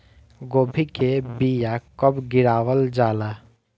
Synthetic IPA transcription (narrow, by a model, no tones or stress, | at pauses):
ɡoːbʱikebijakəbɡɪɾaːwəld͡ʒaːla